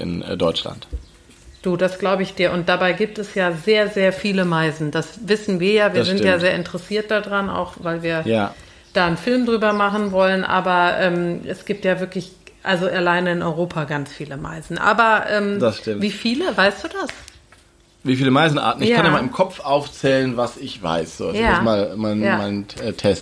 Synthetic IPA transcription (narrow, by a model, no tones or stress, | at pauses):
ʔɪ̰nːdɔʏt͡ʃla̰nt | d̥uːdasɡ̥laʊbəɪçd̥iːɐʔʊntd̥abaɪɡiːp̚tɛsjaːzeːɐzeːɐfiːləmaɪzn̩d̥asvɪsn̩viːɐjaːviɐzɪntjaːzeːɐʔɪntəʁɛsiːɐt̚d̥adʁana̰ʊxvaɪlviːɐja | d̥aːnfɪlmdʁyːbɐmaχn̩vɔlənʔa̰ːbɐʔɛːmʔɛsɡ̥iːp̚tjaːvɪɐklɪç | ʔalzoʔalaɪnəɪnʔɔʏʁ̞oːpʰaɡant͡sfiːləma̰ɪzn̩ʔa̰ːbɐʔɛːmdasʃtɪviːfiːləvaɪstd̥uːdas | viːfiːləmaɪzn̩ʔa̰ːtn̩ɪçkːanjamaɪlmkʰɔfʔaʊft͡sɛːlənvasɪçv̥a̰ɪsz̥o̰ːazjaamaːlmaɪnamaɪnɛtʰɛst